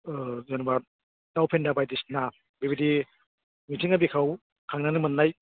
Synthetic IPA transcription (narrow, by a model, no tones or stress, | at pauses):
zanba | tawpʰendabajdisna | bebidi | mitʰiŋabikʰaw | kʰaŋnanɯmɯnːaj